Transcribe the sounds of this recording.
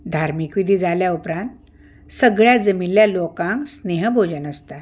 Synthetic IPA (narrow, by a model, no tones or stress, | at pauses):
d̪ʱaɾmikʋid̪ʱiːd͡zaljaupɾãnt̪ | səɡɭjad͡zəminlːjalokãŋksneɦəbʱod͡ʑənəst̪a